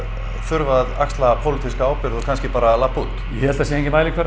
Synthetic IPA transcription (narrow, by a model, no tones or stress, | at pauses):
fʏɾvaða̰kst̪lapʰowlɪt̪ʰiskaaːwpɪɾðɔɣkʰanscɪpaːɾalapːut̪jɛhɛlt̪asjɛeŋɲcɪmaːjlɪkʰɛɾ